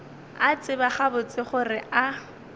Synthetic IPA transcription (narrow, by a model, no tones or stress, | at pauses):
at͡sʼɪbaχabʊt͡sʼɪχʊrɪʔa